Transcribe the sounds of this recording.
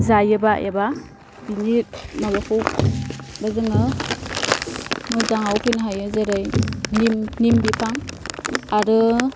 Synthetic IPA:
zajɯbajʔeba | biniɾmabapʰɔw | bazɯŋɯ | mɯzaŋawpʰɯnɦajɯzaɾajnimnimbipʰaŋ | aɾɯ

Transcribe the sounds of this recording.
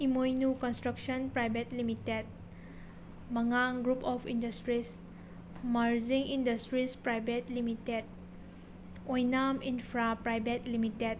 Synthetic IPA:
imojnukɔnstɾəkʃɔnpɾajbetlimited̚ | mɐŋaŋɡɾupɔfʰindastɾis | maɾziŋindastɾispɾajbetlimited̚ | ojnaminfɾapɾajbetlimited̚

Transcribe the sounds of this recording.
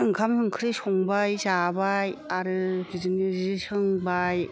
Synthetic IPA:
ɯŋkʰamɯŋkʰɯɾɯsɔŋbajzabajaɾɯbizɯnizɯsɯŋbaj

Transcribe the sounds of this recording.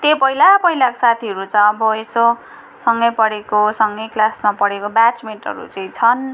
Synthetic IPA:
t̪epʌɦilapʌɦilako̥sat̪ʰiʌɾut͡sʌj̃ʌbʌeso | sʌŋɡʌjpʌɽekosʌŋɡʌjklasmapʌɽekobat͡smeɳʈʌ̰ɾṵt͡saĩt͡sʰʌn

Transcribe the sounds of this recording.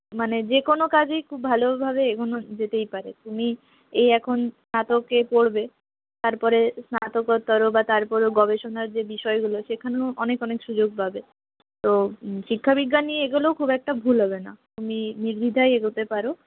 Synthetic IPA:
maned͡ʑekonokad͡ʑejkʰubbʱalobʱabeekʰonod͡ʑet̪ejpaɾet̪umi | eɛkʰonsnat̪okːepoɽbe | t̪aɾpɔɾesnat̪okoɾt̪ɔɾobat̪aɾpɔɾeɡɔbeʃonaɾd͡ʑebiʃɔeɡuloʃekʰaneoɔnekɔnekʃud͡ʑoɡ̚bʱabe | t̪oʃikʰːabiɡːanieɡulookʰubɛk̚ʈabʱulɦɔbena̰t̪uminiɾbʱid̪ʱajeɡot̪epaɾo

